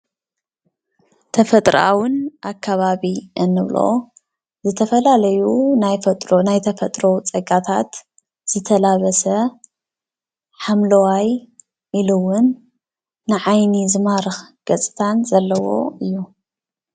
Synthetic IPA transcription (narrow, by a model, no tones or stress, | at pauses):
t̪ʰɐfɐt̪ʼɾʔa̰wʊnʔakʰːaβaβiʔɨnːɨβlo̰ | zɨt̪ʰɐfɐlalɐjunajfɐt̪ʼɾonajt̪ʰɐfɐt̪ʼɾo̞t͡sʼɐɡat̪ʰat̪ | z̥ɨt̪ʰɐlaβɐsɐ | ħamlɐwaj | ʔilɨwʊnː | ɨʕajnizɨmaɾɨxɡ̥ɐt͡sʼɨ̥t̪ʰanzɐlːɐwo̞̰ɨjːu